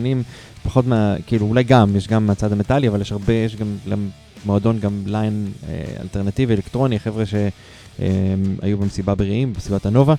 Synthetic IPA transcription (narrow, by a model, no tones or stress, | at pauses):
nim | pḁχo̞t̪meakiːluulajɡamjeʃɡamat͡sad̪amet̪aliavaljeʃaʁbejeʃɡamɡam | moad̪o̞nɡamlajnḛa̰lt̪eʁnat̪ivielekt̪ʁo̞niaχe̞vʁeʃe̞ | ḛa̰jubemesibabeʁeimbesibat̪ano̞va